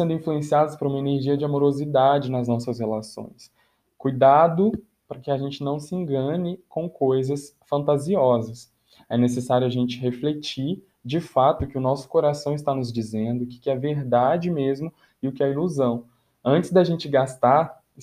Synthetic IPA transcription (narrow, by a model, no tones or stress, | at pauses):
ẽnd̪ʊĩfluẽsiad̪ɐspʊɾũmɐeneɾʒiɐd͡ʒɪamoɾozid̪ad͡ʒɪnɐznɔsɐshelasõ̰j̃s | kujd̪ad̪ʊ | pɾɐkɪaʒẽnt͡ʃɪnɐ̃w̃sɪẽɡɐ̃nɪkõw̃kojzɐs | fɐ̃nt̪aziɔzɐs | ɛnes̬esaɾjʊaʒẽnt͡ʃɪɦeflet͡ʃiɾ | d͡ʒɪfat̪ʊkɪʊnɔsʊ̥koɾasɐ̃w̃ɪst̪anʊzd͡ʒizẽnd̪ʊkɪ̥kɪɛɐveɾd̪ad͡ʒɪmezmʊ | ɪʊkɪɐiluzɐ̃w̃ | ɐ̃nt͡ʃɪzd̪aʒẽnt͡ʃɪɡast̪aɾ